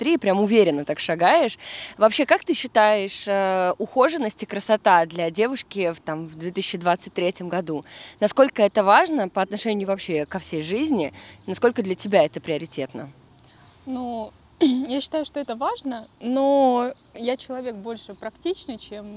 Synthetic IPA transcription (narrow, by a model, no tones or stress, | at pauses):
t̪ɾʲipɾʲamʊvʲeɾʲɪnːət̪akʂɐɡajɪʂvɐpɕe̞kak̚t̪ɨɕːɪt̪ajɪʂəʊxo̞ʐɨnːəsʲtʲɪkɾəsɐt̪ad̪lʲɐdʲe̞vʊʂkʲɪft̪amvd̪vʲet̪ɨsɪɕːɪd̪vat̪sɨt̚ʲt̪ʲːɾʲetʲɪmɡɐd̪unɐsko̞lʲkəɛt̪əvaʐnəpəɐt̪nɐʂɛnʲɪjʊvɐpɕe̞kɐfsʲejʐɨzʲnʲɪnɐsko̞lʲkəd̪lʲətʲɪbʲaɛt̪əpɾʲɪɐɾʲɪtʲet̪nə | nu | jaɕːɪ̥t̪ajʊʂt̪oɛt̪əvaʐnəno | jat͡ɕɪlˠɐvʲek̚bo̞lʲʂɨpɾɐktʲit͡ɕnɨjt͡ɕem